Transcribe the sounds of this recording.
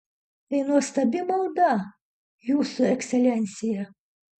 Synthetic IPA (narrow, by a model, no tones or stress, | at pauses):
ɛjnuɔst̪ɐbʲimɐwd̪ɑ | juːsʊɛksʲɛlʲɛnʲsʲɪjɛ